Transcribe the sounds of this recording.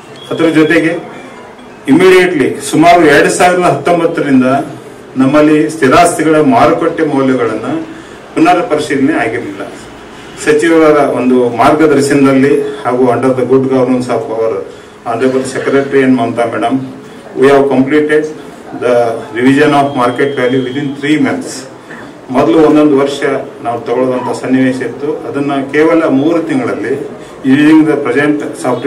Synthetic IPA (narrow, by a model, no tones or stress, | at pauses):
ɐt̪ɐɾɐd͡ʒɔt̪e̞ɡe̞ | imːiːɽijeʈlisumaːɾuɛɾɐɽusaːʋiɾɐd̪ɐɦɐt̪ːombɐt̪ːɐɾind̪ɐ | nɐmːɐlːist̪iɾaːst̪iɡɐɭɐmaːɾɐkɐʈːɐmɔːljɐɡɐɭɐnːɐ | punːɐɾɐpɐɾiʃid̪ineaːɡiɾlilːɐ̰ | sɐt͡ʃiʋɐʋɐɾɐond̪umaːɾɡɐd̪ɐɾʃɐnɐd̪ɐlːihaːɡuɐɳɖɐɾd̪ɐɡuɖɡɐːʋɾunsaːpɐʋɐɾɐ | aːnd̪ɾebɐd̪sekɾeʈɾiɐnmɐnt̪amɛːɽɐm | ʋujaːʋkɐmpliːʈeɖ | d̪ɐɾiʋid͡ʒɐnaːpʰmaːɾkeʈʋeːljiʋid̪int̪ʰɾiːmes | mɔd̪ɐluonːo̞nd̪uʋɐɾʂɐnaːʋut̪ɐɡɔɭoːd̪ɐnt̪ʰasɐnːiʋeːʃɐit̪ːuɐd̪ɐnːɐkeːʋɐlɐmuːɾut̪iŋɡɐɭɐlːi | juniniŋɡd̪ɐpɾɐd͡ʒeɳʈsaːp